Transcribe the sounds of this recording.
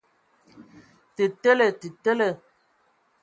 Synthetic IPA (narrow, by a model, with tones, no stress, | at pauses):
te˨te˦le˨te˨te˦le˨